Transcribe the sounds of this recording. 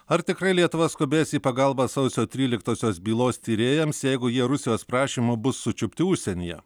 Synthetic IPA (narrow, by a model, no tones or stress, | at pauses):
ɐɾt̪ʲɪkɾɐɪlʲiɛt̪ʊʋɐskoːbʲeːsiːpɐɡɐlˠbɑsɐʊsʲoːt̪ʲɾʲiːlʲɪkt̪oːsʲoːsbʲiːlˠoːst̪ʲiːɾʲeːjɛmsjɛɪɡʊjiɛɾʊsʲɪjoːspɾɑːʃʲiːmʊbʊsːʊt͡ʃʲʊpʲt̪ʲɪʊʃʲsʲɛnʲijɛ̰